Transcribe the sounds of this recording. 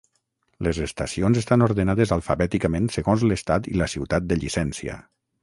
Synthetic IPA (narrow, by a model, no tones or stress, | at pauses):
lezest̪asionzest̪anoɾðenað̞ezalˠfaβɛt̪ikəmẽnsəɣonzləst̪at̪ḭləsiwt̪at̪̚d̪əʎisɛnsiə̰